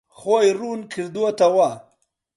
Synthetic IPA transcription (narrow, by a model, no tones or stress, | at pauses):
xojɾunkʰiɾd̪ot̪awa